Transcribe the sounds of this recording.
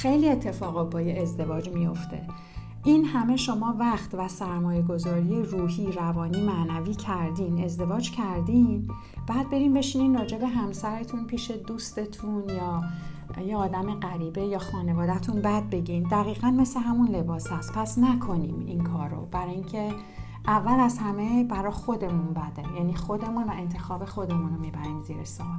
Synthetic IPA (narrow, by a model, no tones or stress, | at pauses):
xejlie̞t̪ʰːe̞fɒːɣɒt̚bɒːjeezd̪e̞vɒːd͡ʒmijo̞ft̪ʰe̞ | ʔinhæme̞ʃo̞mɒːvæχt̪væsæɾmɒːje̞ɡo̞zɒːɾije̞ruːɦiːɾævɒːniːmæʔnæviːcʰæɾd̪ine̞zd̪e̞vɒːd͡ʒcʰæɾd̪im | b̥æːd̪̚be̞ɾimbe̞ʃininrɒːd͡ʒe̞be̞ɦæmsæɾe̞t̪ʰunpʰiːʃe̞d̪uːst̪e̞t̪ʰunjɒː | jeɒːd̪æme̞ɢæɾiːbejɒːxɒːne̞vɒːd̪æt̪ʰunbæd̪̚be̞ɟimd̪æɣiːɣænme̞sleɦæmunle̞bɒːshæst̪pʰæsnækʰo̞niːmḭnkʰɒːɾo̰b̥æɾɒːjiŋcʰe̞ | ʔævːælæzhæme̞bæɾɒːxo̞d̪e̞munbæd̪ejæːniːxo̞d̪e̞munvæe̞nt̪ʰe̞xɒːbe̞xo̞d̪e̞muno̞miːbæɾiːmziːɾesɒːl